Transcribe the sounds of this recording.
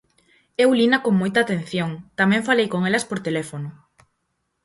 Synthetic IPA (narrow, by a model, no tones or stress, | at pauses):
ewlinɐkoŋmojt̪aːt̪ẽn̟θjoŋt̪amɛ̃ɱfalejkoŋelɐspoɾt̪elɛfonʊ